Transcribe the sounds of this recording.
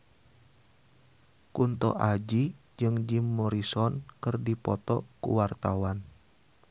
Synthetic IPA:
kunt̪ɔ̰ʔad͡ʒi | d͡ʒɨŋd͡ʒimːɔɾisɔnkɨrdipɔt̪ɔ̰kṵwart̪awan

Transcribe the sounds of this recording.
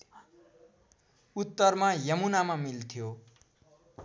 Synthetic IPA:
ut̪ːʌrmajʌmunamamilt̪ʰjo

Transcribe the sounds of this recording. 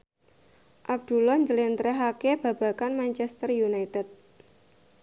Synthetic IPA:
ʔab̚d̪̥ṳlɔɲd͡ʒəlɛnt̪ɾɛɦakeb̥a̤b̥a̤kanmaɲt͡ʃɛst̪ərjunajt̪ɛt̪̚

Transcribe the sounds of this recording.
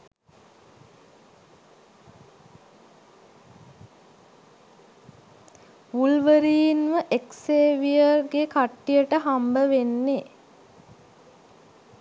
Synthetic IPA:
ʋulʋəɾiːnʋəʔekseːʋijərɡekaʈːijəʈəɦambəʋenːe

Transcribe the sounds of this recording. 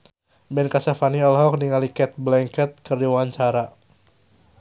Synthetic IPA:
bɛnkasafaniɔlɦɔk̚niŋalikɛt̪̚blɛŋkət̪̚kɨrdiwaaɲt͡ʃaɾa

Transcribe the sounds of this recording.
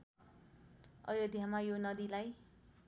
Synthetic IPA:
ʌ̰jod̪ʱjamajonʌd̪ilaj

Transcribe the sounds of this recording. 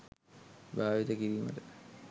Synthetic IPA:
baːʋit̪əkiɾiːmə̰tə

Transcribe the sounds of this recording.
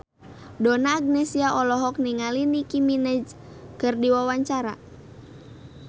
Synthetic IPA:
dɔnaːɡ̚nɛsiaʔɔlɔɦɔk̚niŋalinikiminɛd͡ʒ | kɨrdiwawaɲt͡ʃaɾa̰

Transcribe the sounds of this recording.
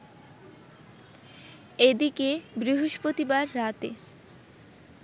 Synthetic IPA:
ed̪ikebɾiɦoʃpɾot̪ibaɾːat̪ḛ

